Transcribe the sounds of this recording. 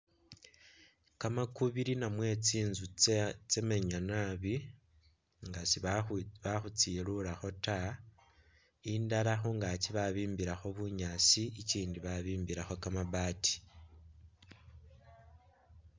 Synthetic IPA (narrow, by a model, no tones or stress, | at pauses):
kamakuβiɾinamwe̞t͡siːnzut͡seme̞ɲanaβi | ŋɡasiβaxut͡silulaxo̞ta | indaɾaxoŋɡaciβaβiːmbiɾaxoβuɲat͡siiciːndiβaβiːmbiɾaxo̞kamaβaːti̥